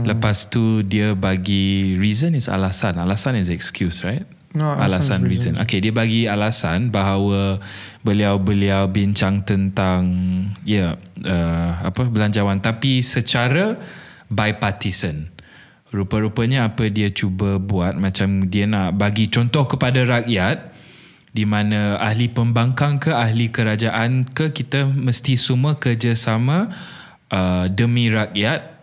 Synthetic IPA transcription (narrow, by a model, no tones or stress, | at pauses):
ləpast̪udiəbaɡiɹizənisa̰lasanalasanis̬ɛkskjusɹajt̪̚ | alasanɹizənʔo̰kediəbaɡialasanbaɦawəbəliawbəliawbiɲt͡ʃaŋt̪ənt̪aŋjəʔəapəbəlaɲd͡ʒawant̪apisət͡ʃaɾə | bajpat̪isən | rupəɾupəɲaapədiət͡ʃubəbuat̪̚mãt͡ʃamdiənaʔbaɡit͡ʃɔnt̪ɔhkəpadaɾakjat̪̚ | dimãnə̃ahlipəmbaŋkaŋkəaɦlikəɾad͡ʒaʔankəkit̪əməst̪isuməhkərd͡ʒasamã | ʔədəmĩɾak̚jat̪̚